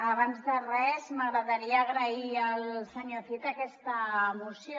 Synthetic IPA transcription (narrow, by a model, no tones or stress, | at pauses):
əβanzðərɛzməɣɾəðəɾiəːɣɾəiəlsəɲoθit̪əkɛst̪əmusjo